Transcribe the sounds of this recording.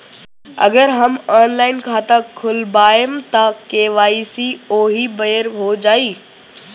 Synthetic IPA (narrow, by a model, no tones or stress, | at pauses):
ɐ̰ɡəɾɦɐmɔːnlaːɪnkʰaːt̪akʰʊlbaːɪmt̪ɐkeːʋaːisioːɦibɐjəɾɦod͡ʑaːiː